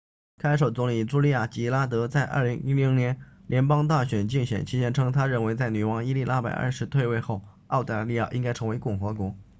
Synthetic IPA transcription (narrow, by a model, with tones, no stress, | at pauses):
kʰa˥ɪʂo˨˩ʊt͡sʊ˧˥ŋli˨˩ʈ͡ʂu˥li˥˧ja˥˩t͡ɕi˧˥la˥t̪̬ɤ˧˥t͡sa˥˧ɪʔɐ̰˞˥˩li˧˥ŋi˥li˧˥ŋnjɛ˧˥nljɛ˧˥npɑ˥ŋt̪a˥˩ɕɥɛ˨˩nt͡ɕi˥˩ŋɕɥɛ̰˨˩nt͡ɕʰi˥ɕjɛ˥nʈ͡ʂʰɤ˥ŋt̪ʰa˥ɻə˥˩nwe˧˥ɪt͡sa˥˩ɪny˨˩wɑ˧˥ŋi˥li˥˧la˥pa̰˨˩ɪə̰˥˧˩ʂɻ̩˧˥t̪ʰwe˥˧ɪwe˥˧ɪxo˥˩ʊ | ɑ˥˩ʊt̪a˧˥˧li˥˧ja˥˩ʔi˥ŋka˥ɪʈ͡ʂʰɤ˧˥ŋwe˧˥ɪkʊ˥˩ŋxɤ˧˥kwɔ˧˥